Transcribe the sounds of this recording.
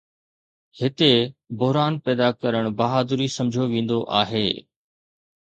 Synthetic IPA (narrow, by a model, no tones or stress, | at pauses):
hɪt̪ebʊɦɾaːnpɛːd̪akɐɾəɽ̃bɐɦaːd̪ʊɾisɐ̃md͡ʑʱoʋẽːnd̪oʔaːɦeː